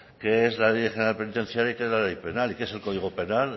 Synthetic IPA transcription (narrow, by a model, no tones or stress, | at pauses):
keezlalejχenalpe̞nit̪ẽ̞nθjaɾjaikeezlalejpe̞nalikeese̞lkoðiɣ̞ope̞nal